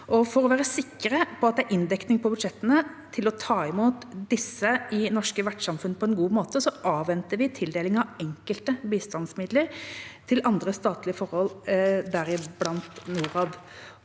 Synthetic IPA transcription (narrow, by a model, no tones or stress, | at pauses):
ʔɔfɔɾɔʋæːɾəsɪkːəɾəpʰɔɑt̪̚d̪ɛæɾʔɪnd̪ɛknɪŋpʰɔbʉd̪ʂɛt̪ːənə | t̪ʰɪlɔt̪ʰɑːɪmuːt̪d̪ɪsːəʔɪnɔʂkəʋæʈʂɑmfʉnːəpʰɔɛnɡuːmoːt̪əsɔʔɑːʋɛnt̪əɾʋɪt̪ʰɪld̪eːlɪŋɑʋɛŋkəlt̪əbiːst̪ɑnsmɪd̪ləɾt̪ʰɪlʔɑnd̪ɾəst̪ɑːt̪lɪəfɔɾhɔld̪æɾɪblɑnt̪nuːɾɑːd̪